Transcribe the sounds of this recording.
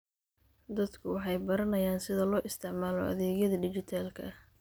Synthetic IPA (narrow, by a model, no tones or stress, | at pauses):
d̪ɐd̪kʰʊwɑħɑjbɐɾɐnɐjaːnsɪðɐlɔːʔɪst̪ʰɪʕmaːlɔ̰ʔɐ̰ðɛːɣjɐðɐɖɪt͡ʃɪt̪ʰaːlkʰɐ̰